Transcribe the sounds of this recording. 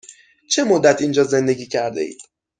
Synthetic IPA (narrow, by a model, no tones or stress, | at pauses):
t͡ʃʰe̞mod̪ːæt̪ʰiːnd͡ʒɒːze̞nd̪e̞ɟʲiːcʰæɾd̪ḛḭːd̪̥